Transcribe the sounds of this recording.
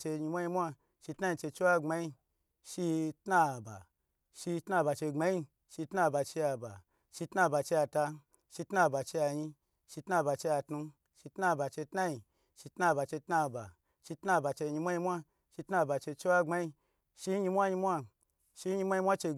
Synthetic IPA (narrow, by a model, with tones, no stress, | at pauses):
t͡ʃe˧ɲi˧mʷa˦jɲi˧mʷ˦a˦ | ʃi˧tna˦ji˧t͡ʃe˧t͡ʃe˦wa˦ŋ͡ma˨˧i˧ | ʃi˧tna˦˨ba̰˨ | ʃi˧tna˦˧˨ba˨t͡ʃe˧ŋ͡ma˨˧˦i˦˧ | ʃi˧tna˦˨ba˨t͡ʃe˧a˧ba̰˨ | ʃi˧tna˦˧˨ba˨t͡ʃe˧ja˧ta˧ | ʃi˧tna˦˨ba˨t͡ʃe˧ja˧ɲi˧ | ʃi˧tna˦˨ba˨t͡ʃe˧ja˧tnu˧ | ʃi˧tna˦˨ba˨t͡ʃe˧tna˦ji˧˨ | ʃi˧tna˦˨ba˨t͡ʃe˧tna˧˨ba̰˨ | ʃi˧tna˦˨ba˨t͡ʃe˧ɲi˧mʷ˦a˦ɲi˧mʷ˦a˦ | ʃi˧tna˦˨ba˨t͡ʃe˧t͡ʃe˦wa˦ŋ͡ma˧i˧ | ʃi˧˦ɲi˧mʷ˦a˦ɲi˧mʷ˦a˧ | ʃi˧˦ɲi˧mʷ˦a˦i˧mʷ˦a˦t͡ʃe˧